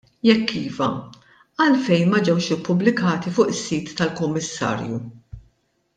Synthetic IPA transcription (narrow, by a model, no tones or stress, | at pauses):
jɛkːiːvɐ̰ | ɐlfɛjnmɐd͡ʒɛwʃɪpːʊblɪkɐːt̪ifʊːʔɪsːiːt̪ːɐlkʊmːɪsːɐ̰ːɾju